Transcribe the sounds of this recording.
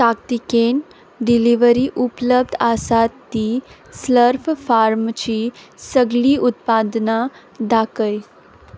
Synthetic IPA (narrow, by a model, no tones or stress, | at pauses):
sakt̪iken | ɖiliʋəɾiʔupləb̚d̪asat̪ːisləɾffaɾmt͡ɕiːsəɡliːʔut̪̚pad̪na | d̪akəj